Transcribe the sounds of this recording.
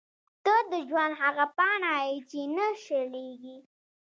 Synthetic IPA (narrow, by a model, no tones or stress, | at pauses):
t̪əd̪əd͡ʒwand̪ɦaɣapɑnɑjit͡ʃenaʃəleɡi